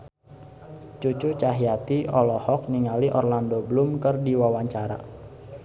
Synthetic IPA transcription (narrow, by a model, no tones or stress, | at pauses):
t͡ʃut͡ʃut͡ʃaɦiat̪iʔɔlɔhɔk̚niŋaliʔɔrlandobəlʊmkɨrdiwawaɲt͡ʃaɾa̰